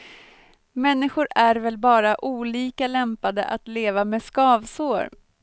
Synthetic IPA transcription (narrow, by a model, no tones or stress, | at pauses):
mɛnːɪɧʊɾæɾvɛlbɑːɾaʔuːliːkalɛmpad̪ə̰ʔat̪leːvamɛskɑːvsoːɾ